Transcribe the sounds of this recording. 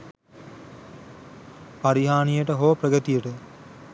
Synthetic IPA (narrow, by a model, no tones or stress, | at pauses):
paɾiɦaːnijəʈəɦoʋəprəɡət̪ijəʈə